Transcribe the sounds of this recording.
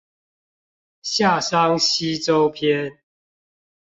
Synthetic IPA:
ɕja˥˨sa˦ŋɕi˦t͡so˦ʊpʰjɛ˦n

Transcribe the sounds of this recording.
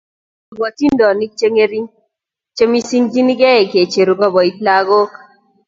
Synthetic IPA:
bɔ˨ti˦ndɔ˨ni˦t͡ʃe˦ŋe˦ɾi˦ŋ | t͡ʃe˦mi˦si˦ŋd͡ʒi˦ni˦ɡɛ˦e˨ke˨t͡ʃe˨ɾu˨kɔ˦bɔ˨i˦t̪la˦ɡo˦k

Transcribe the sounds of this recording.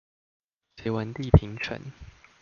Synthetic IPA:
se˨˥ɪwa˧˥nt̪i˥˨pʰi˨˧˦ŋʈ͡ʂʰə̰˨˦n

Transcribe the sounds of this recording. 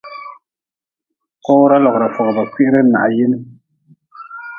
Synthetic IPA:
kɔ˦wɾa˦lɔ˨ɣɾa˨fɔ˨ɡba˨ki˦ʔɪ˦ɾɨ˦na̰˨ʔa˨jɪ˦nɨ˦

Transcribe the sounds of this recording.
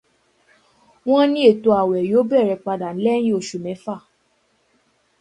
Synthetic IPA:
w̃ɔ̃˦nĩ˦e˦˨to˧˦a˨wɛ˨jo˨˦bɛ˦˨ɾɛ˧˨k͡pa˧da˨n̩˨˦lɛ̃˦ĩ˦o˧˨ʃu˨mɛ̃˨˦fa˦˨

